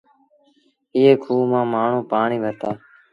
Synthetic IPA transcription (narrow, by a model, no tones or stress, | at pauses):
ɪːeːkʰuːmãːmaːɳ̤ũːpaːɳiːʋʱət̪aː